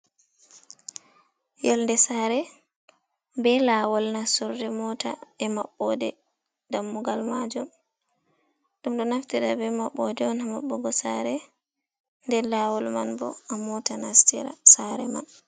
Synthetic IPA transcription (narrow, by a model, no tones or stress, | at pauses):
jɔlndɛsaːɾɛ | bɛlaːwɔlnasɔɾdɛmɔta̰ɛmaɓːɔdɛ | damːuɡalmad͡ʒum | ɗumɗɔnaftiɗabɛmaɓːɔdɛɔnhamaɓːɔɡɔsaɾɛ | ndɛlaːwɔlmanbɔ̰amɔtanastḭɾa̰saɾɛma̰n